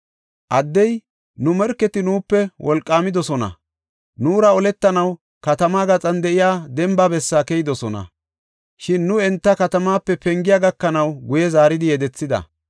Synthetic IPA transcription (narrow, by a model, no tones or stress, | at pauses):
ʔɐd̪ːɛj | nʊmɛɾkːɛt̪ɪnuːpːɛwʔɔlkʼːaːmɪd̪ɔsɔnɐ̰ | nuːɾɐɔlɛt̪ːɐnɐw | kɐt̪ɐmaːɡɐt͡sʼɐnd̪ɛɪjaːd̪ɛmbabɛsːaːkɛjɪd̪ɔsɔnɐ̰ | ʃɪnːʊɛnt̪ːɐkɐt̪ɐmaːpːɛpɛŋɡɪjaːɡɐkːɐnɐwɡʊjɛzaːɾɪd̪ɪjɛd̪ɛt͡sːɪd̪ɐ̰